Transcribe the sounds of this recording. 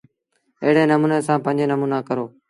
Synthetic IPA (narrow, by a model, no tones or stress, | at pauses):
eɦɪɽ̤eːnəmũːnẽːsãːpə̃ɲd͡ʒeːnəmuːnaːkəɾoː